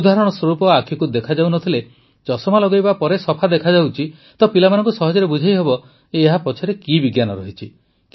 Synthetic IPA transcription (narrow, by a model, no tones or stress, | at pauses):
ud̪aɦɾɔɽ̃ɔswɔɾupɔakʰikud̪ekʰad͡ʒawnɔt̪ʰile | t͡ʃɔsɔmalɔɡojbapɔɾesɔpʰad̪ekʰad͡ʒawt͡ʃʰi | t̪ɔpilamanɔ̃ŋkusɔɦɔd͡ʒɔɾebud͡ʒʱajɦebɔ | eːɦapɔt͡ʃʰɔɾekibiɡjanɔɾɔ̰ɦit͡ʃʰi | k